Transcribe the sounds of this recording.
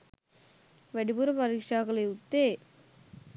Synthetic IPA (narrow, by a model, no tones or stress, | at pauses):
ʋeɽipuːɾɐpɐɾikʂaːkɐleut̪ːeː